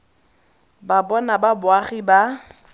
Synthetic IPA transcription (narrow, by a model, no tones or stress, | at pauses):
babɔnababʊaχiba